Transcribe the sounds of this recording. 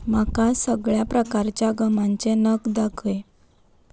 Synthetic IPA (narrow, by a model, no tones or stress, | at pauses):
m̤akãsəɡɭjapɾəkaɾt͡ɕjaɡəmaɲt͡senəɡd̪akʰəj